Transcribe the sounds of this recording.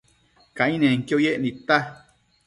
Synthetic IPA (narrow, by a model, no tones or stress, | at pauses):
kãʔĩnẽŋkojeʔnĩt̪a